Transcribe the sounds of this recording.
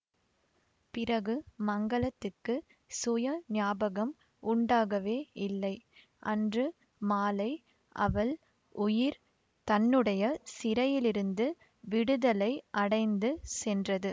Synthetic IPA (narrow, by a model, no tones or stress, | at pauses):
pɪɾɐɣɯmɐŋɡɐɭɐt̪ːɯkːɯ | sʊjɐnɪaːbɐɣɐm | ʊɳɖaːɣɐʋeːɪlːɐɪ | ʔɐndrɯ | maːlɐɪ | ʔɐʋɐl | ʊjɪɾ | t̪ɐnːɯɽɐjɐsɪɾɐjɪlɪɾɯnd̪ɯ | ʋɪɽɯðɐlɐɪʔɐɽɐɪnd̪ɯsɛndrɐðɯ